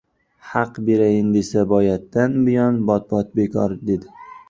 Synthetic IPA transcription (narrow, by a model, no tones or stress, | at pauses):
hɑqbe̞ɾajɪnd̪esabɒjat̪ːanbɪjɒnbɒt̪̚bɒt̪̚bekʰɒɾd̪e̞d̪ɪ